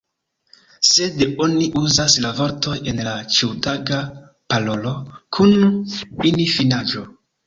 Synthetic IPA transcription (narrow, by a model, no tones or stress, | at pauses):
se̞do̞niʔuzaslavo̞ɾto̞je̞nlat͡ʃiwtaɡa | palo̞lo̞kʰuninifinad͡ʒo